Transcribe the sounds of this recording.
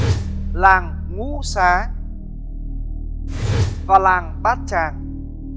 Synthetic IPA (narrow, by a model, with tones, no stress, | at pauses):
laː˨˩ŋ | ŋu˨˦saː˨˦ | vaː˨˩laː˨˩ŋɓaː˦˥t̚t͡ɕaː˨˩ŋ